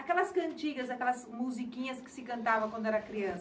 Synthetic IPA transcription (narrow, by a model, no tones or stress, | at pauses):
akɛlɐskɐ̃nt͡ʃiɡɐzakɛlɐzmuzikĩɲɐskɪ̥sɪkɐ̃nt̪avɐ̃kwɐ̃nd̪ʊɛɾɐkɾiɐ̃s